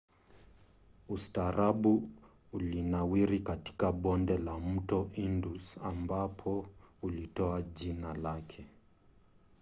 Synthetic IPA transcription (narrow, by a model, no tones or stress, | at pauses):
ustaɾaɓu | ulinawiɾikati̥kaɓɔndɛlam̩tɔʔindusambapʰɔulitɔaʄinalakʰɛ